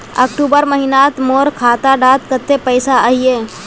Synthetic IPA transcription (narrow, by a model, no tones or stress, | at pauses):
ɐ̰ːkʈuːbəɾməɦinaːt̪moːɾkʰaːt̪aɖaːt̪kət̪ːepəɪsaaɦieː